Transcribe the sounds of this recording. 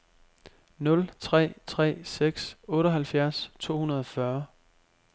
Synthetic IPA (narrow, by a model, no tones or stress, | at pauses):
nɔ̽lt͡sʰʁɛ̰ːt͡sʰʁɛ̰ːseɡ̥sɔ̽ːɾɐɦælfjæɐ̰st͡sʰo̝̰ːhunɐð̞ˠɒfɶɐ